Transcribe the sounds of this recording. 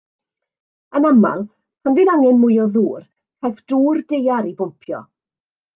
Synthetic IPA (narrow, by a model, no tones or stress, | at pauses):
ənama̰lˠ | pʰanviðaŋɛnmʊɨɔðuːr | hɛfd̥uːrdejaɾibʊmpʰjɔ̰